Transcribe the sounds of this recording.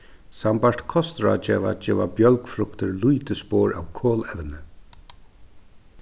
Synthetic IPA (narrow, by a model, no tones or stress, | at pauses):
sampaɹ̥t̪kʰɔst̪ɾa̰d͡ʒɛːʋad͡ʒɛːʋabjœlkfɾʊkt̪ɪɾlujt̪ɪspoːɹa̰wkʰɔːlɛʋnɪ